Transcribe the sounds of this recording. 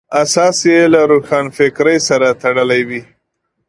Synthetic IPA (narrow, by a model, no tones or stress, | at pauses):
asɑsjelaɾuxɑnfɪkɾəjsaɾat̪aɽəlajwi